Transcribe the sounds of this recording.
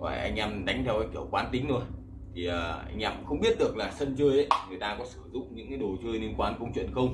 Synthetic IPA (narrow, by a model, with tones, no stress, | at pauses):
va̰ː˧˨˩ʔa˧jŋ̟ʔa˧mɗa˨˦jŋ̟t̪ʰɛ˧wkaː˨˦jki˧˩əwkwaː˨˦nt̪ï˨˦ŋ̟t̪o˧j | t̪ʰi˨˩ʔəː˨˩ʔa̰˧jŋʔaː˧˩mxə˧wŋ͡mɓi˦˥ət̚ɗɨ˨˩ək̚laː˨˩sə˧nt͡ɕɨ˧əjʔə˨˦ŋɨ˨˩əjt̪aː˧kɔ˨˦sɨ˧˩zʊ̰˧˨ŋ͡mɲɨ̰˧˥ŋkaː˨˦jɗo˨˩t͡ɕɨ˧əjli˧ənkwaː˧nkə˧wŋ͡mt͡ɕwḭ˧˨nxə˧wŋ͡m